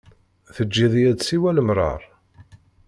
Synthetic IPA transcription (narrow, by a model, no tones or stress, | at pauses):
θəd͡ʒːiðˤjæd̪siwæləmɾˤɑ̰ɾˤ